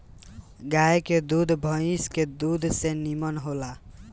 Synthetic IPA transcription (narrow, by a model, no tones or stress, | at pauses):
ɡajked̪ud̪ʱbʱəisked̪ud̪ʱsenimənɦola